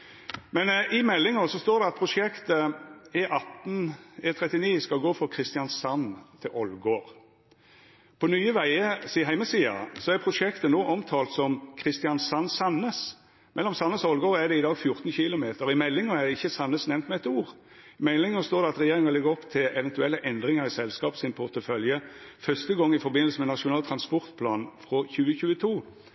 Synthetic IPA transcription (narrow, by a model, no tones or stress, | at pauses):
mɛnɪmɛlːɪŋəsɔst̪oːɾd̪ɛɑt̪̚pʰɾʊʂɛkt̪əɪʔɑt̪n̩ɛt̪ʰɾɛt̪ːɪniːskɑɡoːfɔkʰɾɪst̪ɪjɑnsɑnt̪ʰɪlʔɔlɡoːɾ | pʰɔnyːəʋæɪəsiːɦæɪməsiːɑ̰sɔæɾpʰɾʊʂɛkt̪ənoːʔɔmt̪ʰɑːlt̪sɔmkʰʁɪst̪ɪɑnsɑnːsɑnːəs | mʔɛlːɔmsɑnːəsɔɔlɡoːʁæd̪ɛɪd̪ɑːɡfjʊʁt̪nɕçɪlʊmeːt̪əɾɪmɛlːɪŋɔæd̪ɛɪçːəsɑnːəsnɛʋnt̪mɛɛt̪uːʁ | ɪmɛlːɪŋʊst̪oːʁd̪ɛɑt̪ʁɛjeːʁɪŋɑlɛɡəʁɔpt̪ʰɪlɛʋɛnt̪ʉɛlːəʔɛnd̪ʁɪŋəʁɪsɛlskɑːpsɪnpʰʊʁt̪əfœljəfœst̪əɡɔŋːɪfɔɾbɪnəlsəmɛnɑʂʊnɑːlt̪ʰʁɑnspɔʁt̪pʰlɑːnfʁɔçʉːəçʉːət̪ʰuː